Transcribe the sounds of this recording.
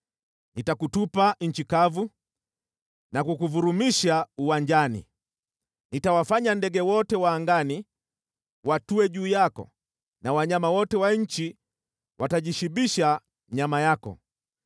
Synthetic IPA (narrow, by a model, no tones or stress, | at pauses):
nitakutupaɲ̩t͡ʃikavu | nakukuvuɾumiʃauwaɲd͡ʒanḭ | nitawafaɲandɛɡɛwɔtɛwaːŋɡani | watuɛʄuːjakɔ̰ | nawaɲamawɔtɛwaɲ̩t͡ʃi | wʔataʄiʃibiʃa | ɲamajakɔ̰